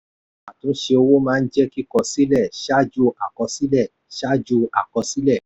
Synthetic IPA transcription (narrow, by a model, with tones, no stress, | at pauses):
a˨tũ˨˦ʃe˧o˧wo˦mãː˦˧n̩˦d͡ʒɛ˦ki˦kɔ˧˨si˦lɛ˦˨ʃa˦d͡ʒu˧a˨kɔ˧si˦lɛ˦˨ | ʃa˦d͡ʒu˧a˨kɔ˧si˦lɛ˦˨